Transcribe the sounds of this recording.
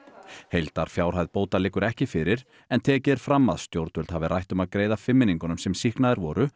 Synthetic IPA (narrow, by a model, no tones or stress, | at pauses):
hejlt̪aɾ̥fjaːwɾ̥ɦajðpoːwt̪alɪːkːʏɾɛhcɪfɪɾɪɾ | ɛnt̪ʰɛːcɪðɛɾ̥fɾamːa̰ðst̪jowɾt̪ʏlt̪havɪrajht̪ʏmaðkɾeːjðafɪmːɪniŋkʏnʏmsɛmsihknaðɪɾvɔːɾʏ